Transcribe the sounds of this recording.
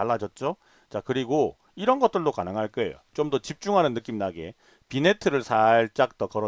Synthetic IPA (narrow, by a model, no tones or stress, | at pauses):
aɭːad͡ʑʌt̚t͡ɕ͈o | t͡ɕakɯɾiɡo | iɾʌnɡʌt͈̚ɯɭdokanɯŋɦaɭk͈ʌḛjo̰t͡ɕomdʌt͡ɕip̚t͡ɕ͈uŋɦanɯnːɯk͈imnaɡe̞̰ | pine̞tʰɯɾɯɭsʰaɭt͡ɕ͈ak̚t͈ʌkʌɾʌ